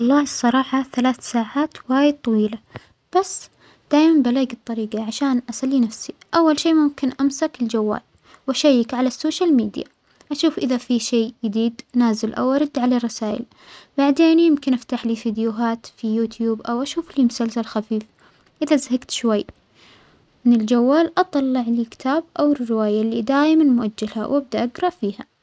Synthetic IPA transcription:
wɑlˤːɑːsˤːɑɾˤɑːħɑθalaːθsaːʕaːt̪waːjɪd̪̚t̪ˤɑwiːla | b̥asː | d̪̥aːʔmanbalaːɡɨt̪ˤːɑɾiːɡɑʕaʃaːnʔasalːiːnafsiʔawːalʃiːmʊmkɪnʔamsakɪld͡ʒawːa̰ːl | wʔaʃajːɪkʕalasːoːʃalmiːd̪ja̰ | ʔaʃuːfʔɪðafiʃeːjɪd̪iːd̪naːzɪlʔa̰wʔɑɾˤɑd̪ːʕalarˤːɑsaːʔɪ̰l | baʕd̪eːnjɪmkɪnʔaft̪aħliːfid̪juɦaːt̪fijuːt̪ʰjuːbʔawʔaʃuːfliːmʊsalsalxafiːf | ʔɪðazaɦaɡt̪ʃwajː | mɪnɪld͡ʒawːaːlʔɑt̪ˤɑlːɪʕlikɪ̥t̪ʰaːb̚ʔawɪrːɪwaːjalːiːd̪aːjmanmʊʔad͡ʒːalha̰wʔab̚d̪aʔaɡɾˤɑʔfiːha

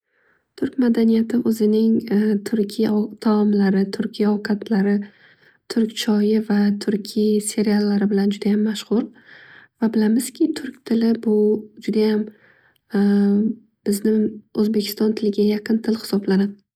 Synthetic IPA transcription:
t̪ʰʊɾkʲmad̪anijat̪ʰɪɵzɪnɪŋt̪ʰʊɾkʲʰijt̪ʰaɒmlaɾɪt̪ʰʊɾkʲʰijaɒwkʰat̪ʰlaɾɪ | t̪ʰʊɾkʲt͡ʃʰɒjɪvat̪ʰʊɾkʲʰijse̞ɾialːaɾɪbɪland͡ʒʊd̪ajamːaʃχʊɾvabɪlamɪz̥kʲʰɪt̪ʰʊɾkʲt̪ʰɪlɪbʊd͡ʒʊd̪ajam | b̥ɪznɪɵzbe̞kʲʰɪ̥st̪ɒnt̪ʰɪlɪɡʲajaqʰɨnt̪ʰɪlhɪ̥sɒblanad̪ɪ

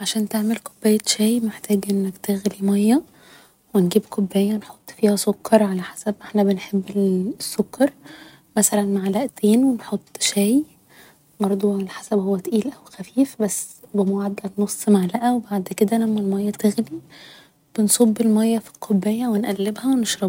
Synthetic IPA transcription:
ʕaʃæːnt̪eʕmelqobːæjːæʃæːjmeħt̪æːɡʔenːækt̪eɣlimɑjːæ | wenɡiːbqʰobːæjːænħot̪ˤːfiːhæsˤokːɑɾˤʕalæħḁsæbʔeħnæbenħebːelsːokːɑɾˤ | mæsælænmaʕlæʔt̪ʰeːnwenħot̪ˤːʃæːj | bɑɾˤd̪ˤuelħḁsæbhowːæt̪ʔiːlʔæwxæfiːfbæsːbemoʕad̪lænosˤːmaʕlæʔæwebaʕd̪ked̪ælæmːælmɑjːæt̪eɣli | b̥ensˤobːelmɑjːɑfi̥lqʰobːæjːæwenʔælːebhæweneʃɾɑb

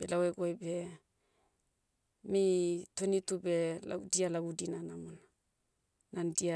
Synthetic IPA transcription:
b̥elaweɡoajbe̞ | mitonitubela̰dialaɡudinanamonaː | andia

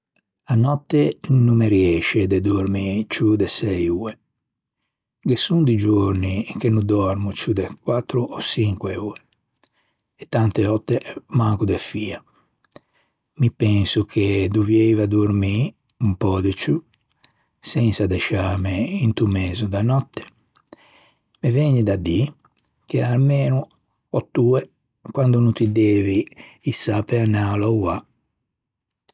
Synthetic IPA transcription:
anɔt̪ːenumːeɾiɛʃed̪ed̪uɾmit͡ʃud̪ɛsɛjue | ɡesund̪id͡ʒoɾnik̟enud̪ɔɾmut͡ʃud̪ekwat̪ːɾuʔɔsiŋkweuːe | ɛt̪ːant̪eɔt̪ːemaŋkud̪efiːa | mipɛnsukʰed̪uvjɛjvad̪uɾmi | umpɔːd̪ɛt͡ʃu | sɛnsad̪ɛʃaːmeint̪umɛːzud̪anɔt̪ːɛ̥ | mevɛɲːid̪ad̪ːi | k̟ealmɛːnu | ɔt̪ːuːɛ | kwand̪ununt̪id̪ɛːviːsːapeanaːlɔwa

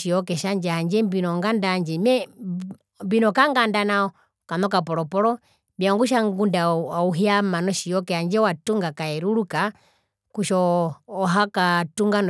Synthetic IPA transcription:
ijɔkɛʃaɲd͡ʒɛhaɲd͡ʒɛmbinɔŋɡandaɲd͡ʒɛmɛ | mbinɔkaŋɡandanaɔ | kanɔkapɔɾɔpɔlɔ | biaŋɡuʃ̬aŋɡundauɦiamanɔʃijɔkɛhaɲd͡ʒɛwatuŋɡakaɛɾuɾuka | kuʃɔː | ɦakatuŋɡan

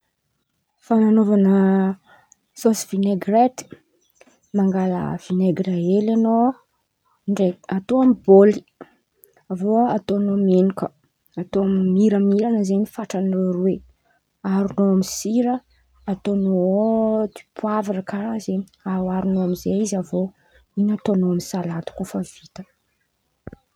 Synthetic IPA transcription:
fananovanə | sosvineɡret̪i̥ | maŋɡalə̰v̥ineɡraelano | ɳɖ͡ʐeat̪oamiboli̥ | avoat̪onomenukə | at̪oammiɾəmiɾanəzenifaʈ͡ʂanrore | aɾunoamisiɾə | at̪onot̪i̥pʰuavarəkazeawaɾunoamizeizavo | inat̪onoamisalat̪u̥kufəv̥it̪ə̥

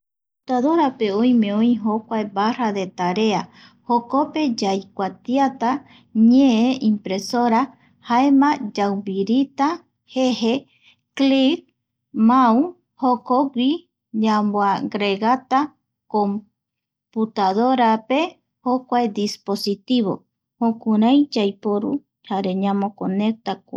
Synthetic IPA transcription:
put̪aðo̞ɾape̞õj̃mẽ̞õĩɦokʷaebaraðe̞t̪aɾe̞a | hoko̞pe̞d͡ʒajkʷat̪jat̪a | ɲẽẽʔĩmpɾe̞soɾa | haemãd͡ʒawbiɾit̪a | hehe | klik̚ | maw | hokoɡʷi | ɲambwaɡɾeɣat̪a | kom | put̪aðoɾape̞ | hokʷaed̪ispo̞sit̪iβo̰ | hokũɾãjd͡ʒajpoɾṵ | haɾe̞ɲãmõkonek̚t̪akʷa

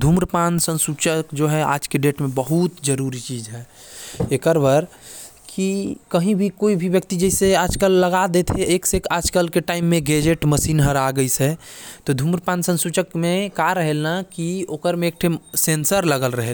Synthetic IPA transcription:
d̪ʱumɾpansə̃nsut͡ʃəkd͡ʒoɦɛa̰ːd͡ʒkeɖeʈmẽbəɦut̪d͡ʒəɾuɾit͡ʃiːd͡ʒɦɛ | ekəɾbəɾ | kikəɦĩbʱikoibʱibjək̚t̪id͡ʒɛseaːd͡ʒkəlːəɡad̪et̪ʰɦeʔeksekaːd͡ʒkəlkeʈaːɪmːẽɡed͡ʒeʈməsiːnɦəɾaɡəisɛt̪ɔd̪ʱumɾəpansə̃nsut͡ʃəkmẽkaɾəɦelnakioːkəɾmẽːk̚ʈʰesensəɾləɡəlɾəɦel

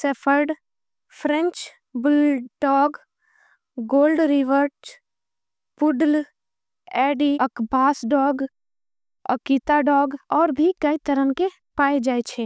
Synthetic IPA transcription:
sepʰəɾɖ | pʰɾɛ̃ɲt͡ʃ | bɪlɖɔːɡ | ɡoːlɖɾɪʋəɾt͡ʃ | pʊɖl | ɛːɖiəkbaːsɖɔːɡ | ə̰kiːt̪aɖɔːɡɔːɾbʱikɐit̪əɾənke | paːed͡ʒaːet͡ʃʰeː

